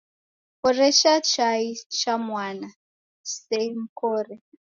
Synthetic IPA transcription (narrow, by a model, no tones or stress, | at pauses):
ɔɾɛʃat͡ʃait͡ʃamwana | sɛm̩kɔːrɛ